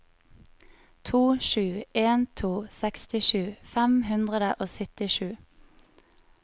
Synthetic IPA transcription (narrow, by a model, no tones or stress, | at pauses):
t̪ʰuːʃʉːeːnt̪ʰuːsɛkst̪ɪʃʉːfæmhʉnd̪ʁəd̪əʔoːsʏt̪ɪʃʉː